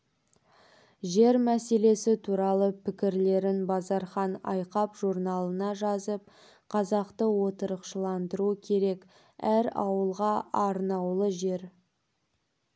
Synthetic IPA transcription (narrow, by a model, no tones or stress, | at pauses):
ʒe̞ɾmæse̞le̞sɪt̪ʰuɾɑlˠəpʰɪkʲɪɾle̞ɾɪnbɑzɑɾχɑnɑ̰jqɑpʒ̥uɾnɑlˠənɑʒɑzəp̚ | qʰɑzɑqt̪əwo̞t̪əɾəqʃəlˠɑnd̪əɾukʲʰe̞ɾe̞k | æɾɑ̰wəlˠʁɑɑɾnɑwlˠəʒe̞ɾ